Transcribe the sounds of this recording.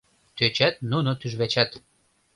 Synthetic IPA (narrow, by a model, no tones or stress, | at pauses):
t̪øt͡ɕæt̪̚nunot̪yʒβæt͡ɕæt̪